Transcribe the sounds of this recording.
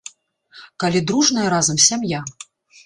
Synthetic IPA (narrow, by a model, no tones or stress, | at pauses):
kalʲid̪ɾuʐnɐjɐɾazɐmsʲamja